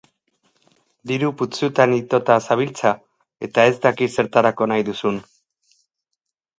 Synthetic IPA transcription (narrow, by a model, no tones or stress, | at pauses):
d̪iɾuput͡sut̪anit̪o̞t̪asaβilt͡sa | e̞t̪ae̞zd̪akise̞ɾt̪aɾako̞najðusun